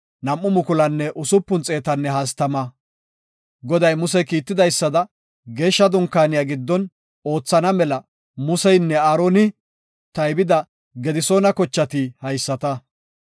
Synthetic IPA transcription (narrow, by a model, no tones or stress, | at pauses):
nɐmːʊmʊkʊlɐnːɛʔʊsʊpːʊnt͡sʼe̞ːt̪ɐnːɛɦaːs̬t̪ɐmɐ | ɡɔd̪ɐjmʊsɛkiːt̪ːɪd̪ɐjsːɐd̪ɐ | ɡe̞ːʃːɐd̪ʊŋkːaːnɪjaːɡɪd̪ːɔn | o̞ːt͡sːɐnɐmɛlɐ | mʊsɛjnːɛaːɾoːnɪ | t̪ɐjbɪd̪ɐ | ɡɛd̪ɪso̞ːnɐkɔt͡ʃːɐt̪ɪhɐjsːɐt̪ɐ